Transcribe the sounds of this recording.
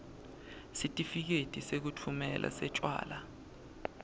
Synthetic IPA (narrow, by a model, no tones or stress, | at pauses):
sitʼifik̬etʼisek̬utʰumɛlʔa̰sɛt͡ʃʼwa̰ːla